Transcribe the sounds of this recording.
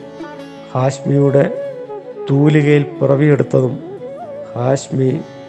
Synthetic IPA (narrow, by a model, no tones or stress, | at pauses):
haːɕmijuɽe̞ | t̪uːliɣɐjilpɨrɐʋieɽut̪ːɐðumhaːɕmi